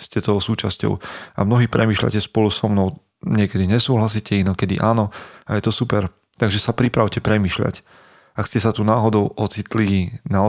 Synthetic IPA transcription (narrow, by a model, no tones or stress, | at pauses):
scɛt̪ɔʊsuːt͡ʃascɔ̰ʊa̰mnɔɦiːpɾɛmiːʃʎa̰cɛspɔlusɔmnɔʊ | ɲɪɛkɛd̪iɲɛsuːɦlasiːcɛinɔkɛd̪ḭʔaːnɔajɛt̪ɔsupɛɾ | t̪aɡʒɛsapɾipɾaʊcɛpɾɛmiːʃʎa̰c | akscɛsat̪unaːɦɔd̪ɔʊʔɔt͡sit̪linaɔ